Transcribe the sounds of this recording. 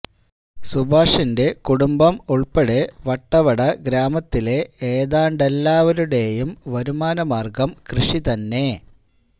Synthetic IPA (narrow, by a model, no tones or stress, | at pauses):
subʱaːʂinde̞kuɽumbɐmuɭpeɽeʋɐʈːɐʋɐɽɐɡɾaːmɐt̪ːile̞eːðaːɳɖelːaːʋɐɾuɽe̞jumʋɐɾumaːnɐmaːrɡɐmkrɨʂit̪ɐnːe̞